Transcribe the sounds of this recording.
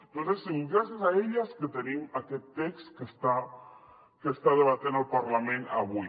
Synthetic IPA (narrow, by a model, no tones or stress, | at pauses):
nt̪onθesːiŋɡɾasjasaeʎasket̪enimaket̪ekst̪kest̪a | kest̪aðeβat̪jenalpaɾlamẽnaβu